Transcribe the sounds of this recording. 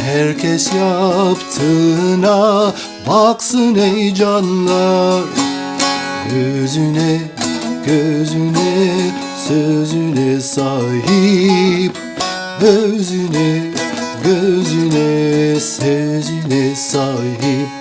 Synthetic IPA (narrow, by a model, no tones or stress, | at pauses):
hæɾkʲʰɛsjɑpt̪ʰɯnɑ | bɑqsɯnejd͡ʒɑnlˠɑɾ | ɡøzynɛ | ɡ̥øzynɛ | søzynɛsɑjɯ | p̚ | øzynɛɡøzynɛsøzynɛsɑjɯp̚